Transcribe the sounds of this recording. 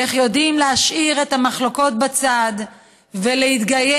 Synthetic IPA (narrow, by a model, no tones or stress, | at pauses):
eχjo̞dimlehaʃʔiʁe̞thamaχlo̞ko̞t̚bat͡sad | velehit̪ɡaje